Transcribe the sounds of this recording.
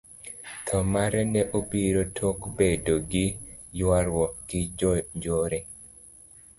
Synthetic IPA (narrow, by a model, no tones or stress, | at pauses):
t̪ʰɔmaɾɛnɛʔobiɾotʰokbedoɡɪjwaɾwɔkɪd͡ʒɲd͡ʒoɾɛ